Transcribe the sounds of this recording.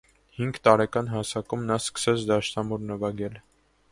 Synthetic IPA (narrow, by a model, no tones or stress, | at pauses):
hiŋɡt̪ɑɾɛkɑnɦɑsɑkumnɑskə̥sɛt͡sʰd̪ɑʃnɑmuɾnəvɑɡɛl